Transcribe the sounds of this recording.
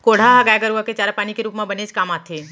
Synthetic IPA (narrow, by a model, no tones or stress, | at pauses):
koːɽ̤aɦɐɡaːjɡəɾuaket͡ʃaːɾapaːnikeɾuːpmãbəneːd͡ʒkaːmaːt̪ʰe